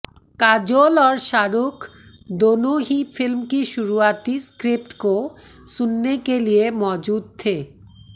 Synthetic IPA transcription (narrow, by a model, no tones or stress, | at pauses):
kad͡ʑolɔɾʃaɾukʰ | d̪onoɦifʰilmkiʃuɾuat̪iskɾip̚ʈkosunːekeliemɔd͡ʑud̪̚t̪ʰe